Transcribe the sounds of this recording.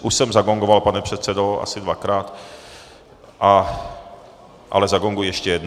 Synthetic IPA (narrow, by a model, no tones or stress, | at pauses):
ʔuʃsɛmzaɡoŋɡovalpanɛpr̥ɛt̪t͡sɛdoa̰sɪdvakɾaːt̪ | ʔa | ʔa̰lɛzaɡoŋɡujɛʃcɛjɛdn